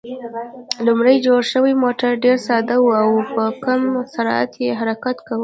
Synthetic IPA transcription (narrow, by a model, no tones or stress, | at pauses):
lʊmɽajd͡ʒoɽʃəwijmoʈaɾɖeɾsɑd̪awuawpəkamsaɾa̰t̪jeɦaɾakat̪kawə